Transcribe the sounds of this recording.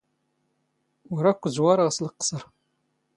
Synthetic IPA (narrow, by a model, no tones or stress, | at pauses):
ʊɾækʷːzwaɾˤʁəsləqːsəɾˤ